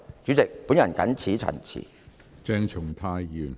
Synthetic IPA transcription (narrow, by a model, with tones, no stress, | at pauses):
t͡ɕyː˨˥t͡sɪ˨k̚pu˨˥njɐ˨˩nkɐ̰˨˥nt͡sʰiː˨˥t͡sʰɐ̰˨˩nt͡sʰḭ˨˩ | t͡sɛː˧ŋt͡ʃʰʊ˨˩ŋt̪ʰaː˧jjyː˨n